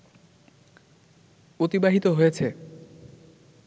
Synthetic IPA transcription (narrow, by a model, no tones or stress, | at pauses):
ot̪ibaɦit̪oɦojet͡ɕʰe